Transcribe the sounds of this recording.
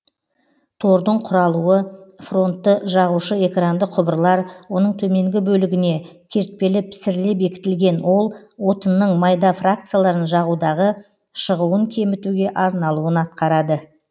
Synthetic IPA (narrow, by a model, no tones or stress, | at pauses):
t̪ʰo̞ɾd̪əɴqʰʊɾɑlˠuwəfro̞nt̪ːəʒɑʁuʃəe̞krand̪əqʰːʊbəɾəlˠɑɾwo̞nəɴt̪ʰɵme̞ŋɡʲɪbɵlɪɡʲɪne̞ | kʲʰe̞ɾt̪̚pe̞lɪpsɪɾlepe̞kʲɪ̥t̪ɪlɡʲe̞nwo̞lˠwo̞t̪ənːəɴmɑjd̪ɑfrak̚t̪sɨjalˠɑɾənʒɑʁud̪ɑʁə | ʃəʁuwəŋkʲʰe̞mɪt̪uɡʲe̞ʔɑɾnɑlˠuənɑt̪̚qɑɾɑd̪ə